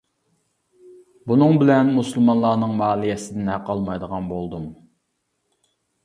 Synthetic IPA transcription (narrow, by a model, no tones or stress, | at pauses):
bunɨŋbɪlɛnmusɨlˠmɑnlˠɑːnɨŋmɑːlˠijɛsɪd̪ɪnhæqɑlˠmɑjd̪əʁɑnbolˠd̪um